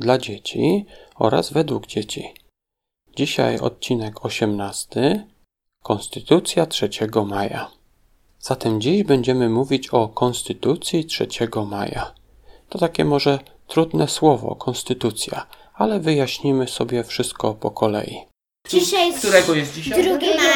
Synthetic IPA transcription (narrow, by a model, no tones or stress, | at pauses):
d̪lad͡ʑet͡ɕḭɔ̰ɾa̰zvɛd̪wuɡd͡ʑet͡ɕḭ | d͡ʑiɕa̰jɔ̰t̪̚t͡ɕinɛkʰɔɕɛmnast̪ɘ | kɔnst̪ɘt̪ut̪sʲjatʂɛt͡ɕɛɡɔmaja̰ | z̥at̪ɛmd͡ʑiʑbɛɲd͡ʑɛmɘmuvʲit͡ɕɔkɔnst̪ɘt̪ut̪sʲjitʂɛt͡ɕɛɡɔma̰ja̰ | t̪ɔt̪akʲɛmɔʐɛ | t̪ɾud̪nɛswɔvɔ̰kʰɔnst̪ɘt̪ut̪sʲja̰ | alɛvɘjaɕɲimɘsɔbʲjɛfʂɘst̪̚kɔpɔkʰɔlɛ̰jḭ | iɕkt̪uɾɛɡɔjɛst̪̚d͡ʑiɾʲ